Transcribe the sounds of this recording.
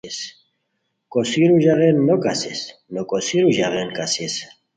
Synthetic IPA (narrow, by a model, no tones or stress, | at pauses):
s | kʼɔsiɾuʒaɣɛnːɔkʼasisnɔkʼɔsiɾuʒaɣɛnkʼasis